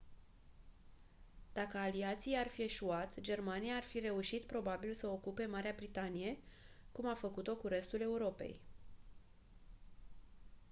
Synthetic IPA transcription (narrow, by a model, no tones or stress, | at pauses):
d̪̥akəaliat̪sijarfie̞ʃuat̪d͡ʒe̞rmanijaːrfiɾe̞uʃit̪pɾo̞babilsəokupe̞maɾeabɾit̪anije̞kumafəkut̪o̞kuɾe̞st̪ule̞uɾo̞pe̞̰j